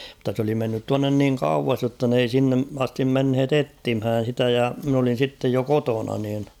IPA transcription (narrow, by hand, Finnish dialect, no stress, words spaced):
mutːɑ s oli menːyt tuɑnːen niːŋ kɑuʋɑs jotːɑ n ei sinːe ɑstim menhet etːimhæːn̞ sitæ jɑ min olin̞ sitːej jo kotonɑ niːn